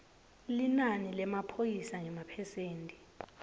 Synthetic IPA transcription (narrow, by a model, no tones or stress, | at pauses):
linanilɛmapʰojisaŋɛmapʰɛseːntʼi